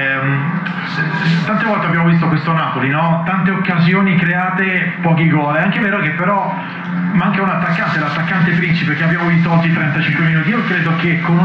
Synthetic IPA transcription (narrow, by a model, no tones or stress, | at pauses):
t̪ːant̪evɔlt̪eabːjaːmovist̪okwest̪onaːpolinɔt̪ant̪eokːazjoːnikɾeaːt̪epɔːk̬iɡɔːlɛaŋkeveːɾok̟epːeɾɔ | maŋkaunat̪ːakːant̪ed̪at̪ːakːant̪̬efɾint͡ʃipek̟eabːjaːmovis̬t̪oɔd͡ʒːit̪ɾɛnt̪at͡ʃiŋkweminuːt̪iiokɾeːd̪ok̟ekʰːon